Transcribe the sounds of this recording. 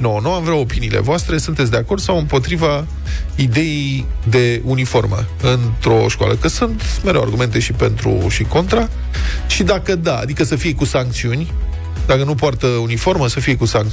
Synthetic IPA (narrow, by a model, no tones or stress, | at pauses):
nonuamvɾawo̞piniːle̞̰voast̪ɾe̞sunt̪et̪sd̪eako̞rd̪̥sawɨmpo̞t̪ɾiva | id̪e̞jejd̪e̞unifo̞rmə̰ | ɨnt̪ɾo̞ʃkwa̰ləkəsunt̪meɾewa̰rɡume̞nt̪e̞ʃipe̞nt̪ɾṵʃiko̞nt̪ɾa | ʃid̪akəd̪aa̰d̪ikəsəfije̞kusaŋk̚t̪siunʲ | d̪akənupoart̪əunifo̞rməsəfije̞kusaŋk̚